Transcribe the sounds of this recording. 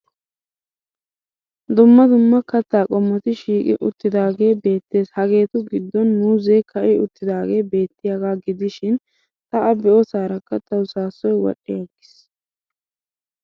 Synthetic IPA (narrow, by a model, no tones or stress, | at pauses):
d̪ʊmːɐd̪ʊmːɐkɐt̪ːaːkʼɔmːɔt̪ɪʃiːkʼɪ̰ʔʊ̰t̪ːɪd̪aːɡe̞ːbe̞ːt̪ːe̞ːshɐɡe̞ːt̪ʊɡɪd̪ːɔnːuːzɛjkʰɐʔɪʊt̪ːɪd̪aːɡe̞ːbe̞ːt̪ːɪjaɡaːɡɪd̪ɪʃɪn | t̪ɐʔɐbɛʔɔsaːɾɐkːɐt̪ːɐwsaːsːɔjwɔ̰ɗːɪjɐɡɪs